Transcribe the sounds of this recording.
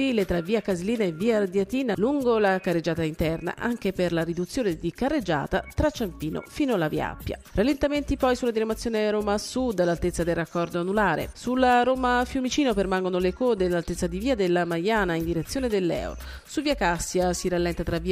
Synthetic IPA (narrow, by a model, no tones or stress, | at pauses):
ilet̪ɾavːiːakazeliːnaevːiːad̪jat̪iːnaluŋɡolakarːed͡ʒːaːt̪aint̪ɛrna̰ʔaŋk̟eperlaɾid̪ut̪sːjoːned̪ikarːed͡ʒa̰ːt̪at̪ɾat͡ʃːampiːno̰fiːnoalavia̰pːja̰ralːent̪ament̪ipɔjsulad̪inamat̪sːjoːneɾoːmasud̪ːalːalt̪et̪sːad̪elrːakːɔrd̪oanulaːɾḛsulːaɾoːmafjumit͡ʃiːnopermaŋɡonolekoːd̪elːalt̪et̪sːad̪iviːad̪elːamajaːnaind̪iɾet̪sːjoːned̪elːɛ̰wɾo̰ | suviːakasːjasiɾalːɛnt̪at̪ɾavi